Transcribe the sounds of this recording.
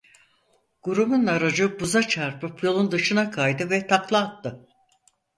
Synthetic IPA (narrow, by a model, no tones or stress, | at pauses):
ɡ̥uɾubunaɾad͡ʒɯbuzat͡ʃʰaɾpɯpʰjo̞lˠund̪ɯʃɯnakʰajd̪ɯvɛt̪ʰaklˠaːt̪ːɯ